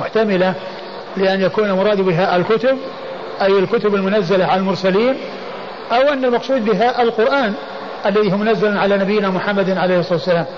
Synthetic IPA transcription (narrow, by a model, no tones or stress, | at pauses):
ʊħt̪amɪla | lɪʔanjakuːnalmʊɾˤɑːd̪bɪɦaʔɪlkʊt̪ʊb̚ | ʔajɪlkʊt̪ʊbalmʊnazːalaʕalalmʊɾˤsaliːn | ʔawʔanːalmɑqsˤuːd̪̚bɪɦaʔɪlqʊɾʔaːn | ʔalːaðiːhumʊnazːalʕalanabɪjːnamʊħamːad̪nʕalejhsˤːɑːt̪wsːalaːm